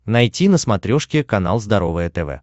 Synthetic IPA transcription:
nɐjtʲinəsmɐt̪ɾʲoʂkʲɪkɐna̰lˠzd̪ɐɾo̞vɨjət̪ɛvɛ̰

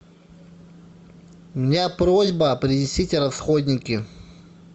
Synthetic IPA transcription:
ʊmʲɪnʲapɾozʲbəɐpɾʲɪnʲɪsʲitʲrɐsxod̪ʲnʲɪkʲɪ

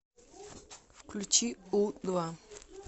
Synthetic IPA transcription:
fklʲut͡ɕiud̪va

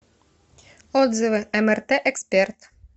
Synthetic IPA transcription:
ɔd̪zɨvɨɛmɛrt̪ɛʔɛkspʲert̪

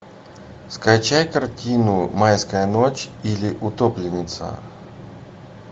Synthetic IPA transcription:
skɐt͡ɕajkɐrtʲʰinʊmajskəjənot͡ɕilʲɪʔʊt̪oplʲɪnʲɪt̪sə̰

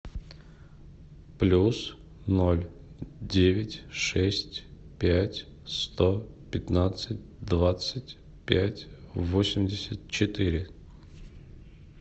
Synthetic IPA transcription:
plʲus | no̞lʲdʲevʲɪtʲʂɛsʲtʲpʲætʲ | st̪o | pʲɪt̪nat̪sɨt̚ʲd̪vat̪sɨtʲ | pʲætʲvosʲɪmʲdʲɪsʲət̪̚t͡ɕɪt̪ɨɾʲɪ

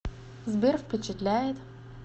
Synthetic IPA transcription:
zbʲerfʲpʲɪt͡ɕɪt̪lʲæjɪt̪

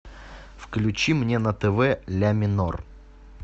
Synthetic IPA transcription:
fklʲʉt͡ɕimnʲenət̪ɛvɛlʲamʲɪnor

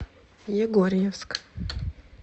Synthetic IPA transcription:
jɛɡoɾʲjɛfsk

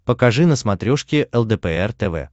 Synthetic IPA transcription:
pəkɐʐɨnəsmɐt̪ɾʲoʂkʲɪʔɛlˠd̪ɛpɛɛrt̪ɛvɛ̰

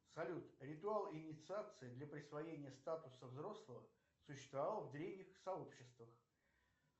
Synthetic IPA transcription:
sɐlʲut̪ɾʲɪt̪ʊalˠɪnʲɪt̪sɨat̪sɨɪd̪lʲəpɾʲɪsvɐjenʲɪjəst̪at̪ʊsəvzɾo̞slˠəvə | sʊɕːɪst̪vɐvalˠvd̪ɾʲevnʲɪxsɐo̞pɕːɪst̪vəx

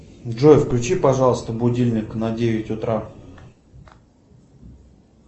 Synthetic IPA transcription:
dʐojɪfklʲʉt͡ɕipɐʐɑlˠəst̪əbʊdʲilʲnʲɪknɐdʲevʲɪtʲʊt̪ɾa

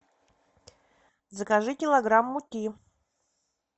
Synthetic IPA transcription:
zəkaʐɨkʲɪlˠɐɡɾamːutʲi

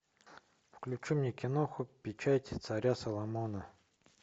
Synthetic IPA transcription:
fklʲʉt͡ɕumnʲekʲɪnoxʊpʲɪt͡ɕatʲt̪sɐɾʲasɐlˠɐmonə

